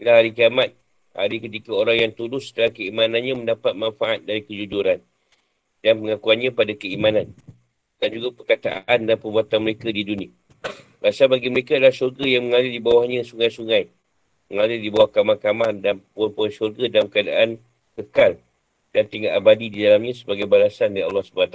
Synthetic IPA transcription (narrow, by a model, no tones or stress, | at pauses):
lahɦaɾikiamat̪̚ | ha̰ɾikət̪̬ikaoɾaŋjaŋt̪udʊsːə̥t̪əlahkəimanãnɲãmə̃ndapat̪̚manfaʔat̪̚daɾikəd͡ʒud͡ʒuɾan | danpəŋakuanɲãpadakəimãnan | d̥and͡ʒuɡapərkat̪a̰ʔandanpərbuat̪anməɾekadidunĩə | rasabaɡiməɾekaadalahʃurɡajaŋməŋalɪldibawahɲãsuŋajsuŋãj | məŋadɪldibawahkamakamandanpnpuʃurɡadalamkəada̰ʔan | kəkal | d̥ant̪iŋɡaʔabadididalamɲãsəbaɡajbalasandaɾiɑ̰lːɑhsəbaat̪a